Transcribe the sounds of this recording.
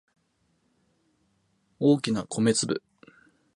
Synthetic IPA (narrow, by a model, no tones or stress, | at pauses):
o̞ːkʲinakʰo̞me̞t͡sɨbɯ̟̰